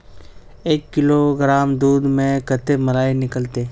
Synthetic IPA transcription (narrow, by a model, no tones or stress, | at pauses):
eːkːɪloɡɾaːmd̪uːd̪mẽkət̪emɐlaːinɪkəlt̪eː